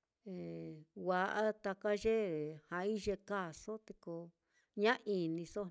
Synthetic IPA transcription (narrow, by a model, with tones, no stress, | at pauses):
e˨wa˧ʔa˦t̪a˧ka˦ʒe˦˨hã˧i˦ʒe˧ka˦˨so˦t̪e˧ko˧ | ɲã˦ʔi˧nĩ˧so˦